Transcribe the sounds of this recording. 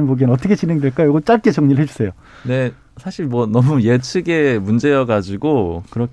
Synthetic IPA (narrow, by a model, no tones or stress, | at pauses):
nmoɡinʌt̬͈ʌkʰet͡ɕineŋdweɭk͈ajjoɡʌt͡ɕ͈aɭk͈et͡ɕʌŋɲiɾɭɦed͡ʑusʰe̞jo | ne̞ | sʰaɕʰiɭmwʌnʌmuje̞t͡ɕʰɯɡe̞mund͡ʑe̞jʌɡad͡ʑiɡokɯɾʌk